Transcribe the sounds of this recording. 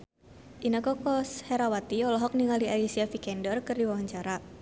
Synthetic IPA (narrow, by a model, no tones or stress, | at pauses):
ʔinəkɔkɔsheɾawat̪iɔlɔɦɔk̚niŋaliʔalisiafikɛndɔrkɨrdiwawaɲt͡ʃaɾa